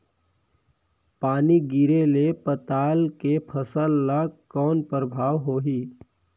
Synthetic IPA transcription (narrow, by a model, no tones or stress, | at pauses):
paːniɡiɾelepət̪aːlkepʰəsəlːakɔːnpɾəbʱaːʋɦoːɦiː